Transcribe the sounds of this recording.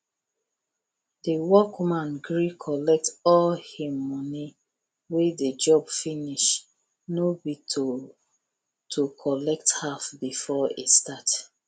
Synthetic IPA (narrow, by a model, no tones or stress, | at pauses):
dəwɔkmãnɡɹikʰɔlɛk̚tɔlhimɔni | wedəd͡ʒɔbfiniʃ | nobitʰo | tʰokʰɔlɛk̚thafbifɔḛstat